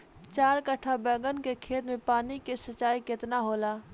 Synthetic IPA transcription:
t͡ʃaːɾkəʈʰːabɛːɡənkekʰeːt̪mẽpaːnikesət͡ʃːaːikɪt̪naɦoːlaː

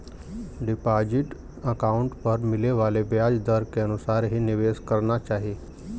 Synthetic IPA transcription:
ɖɪpaːd͡ʒɪʈ | əkaːʊ̃ɳʈpɐɾmɪleʋaːlebjaːd͡ʒd̪əɾkeɐnʊsaːɾɦinɪʋeːskɐɾnat͡ʃaːɦie

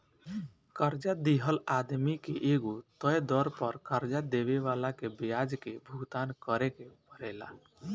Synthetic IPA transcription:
kəɾd͡ʒad̪iɦəlad̪mikeʔeɡot̪ɔjd̪ɔɾpəɾkəɾd͡ʒad̪eʋeʋalakebiad͡ʒkebʱuɡt̪aːnkəɾekepəɾɛla̰

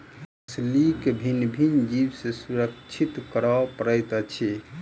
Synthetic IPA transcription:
slikbʱinbʱind͡ʒiwsẽsuɾəkt͡ʃʰit̪kəɾɔpəɾət̪t͡ʃʰe

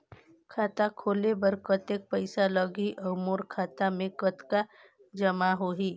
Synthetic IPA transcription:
kʰaːt̪akʰoːlebəɾkət̪ek̚pəɪsaləɡɦiʔɐʊmoːɾkʰaːt̪amẽkət̪ka | d͡ʒɐmaɦoːɦiː

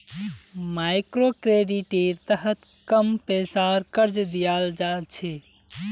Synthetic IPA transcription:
majkɾokɾeɖiʈeɾt̪əɦət̪ | kəmpesaɾkəɾd͡ʒd̪ijald͡ʒalt͡ʃʰɛ

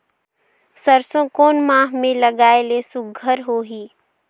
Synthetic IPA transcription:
səɾsõkoːnmãːɦmẽləɡaːelesʊɡʱəɾɦoːɦiː

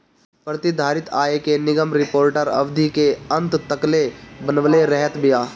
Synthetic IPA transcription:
pɾət̪ɪd̪ʱaːɾɪt̪ʰaːekenɪɡəmɾɪpoːɾʈəɾɐ̰ʋd̪ʱikeə̃nt̪t̪əklebənʋleɾɛɦət̪bɪjaː

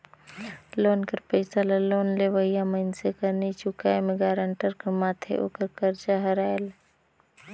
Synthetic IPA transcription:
loːnkəɾpəɪsalaloːnleʋəɦɪjaməɪnsekəɾnet͡ʃʊkaːemẽɡaːɾəɳʈəɾkəɾmaːt̪ʰḛʔo̰ːkəɾkəɾt͡ʃaɦəɾaːjl

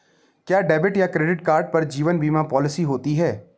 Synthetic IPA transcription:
kjaːɖɛːbɪʈjakɾeːɖɪʈkaːɾɖ̚pɐɾd͡ʒiːʋənbiːmapɔːlɪsiɦoːt̪iɦɛː

